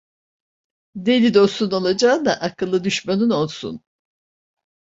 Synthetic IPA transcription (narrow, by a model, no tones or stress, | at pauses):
d̪elʲid̪o̞suno̞lˠad͡ʒaːnd̪aʔakʰɯlˠːɯd̪yʃmanyno̞lˠsṵn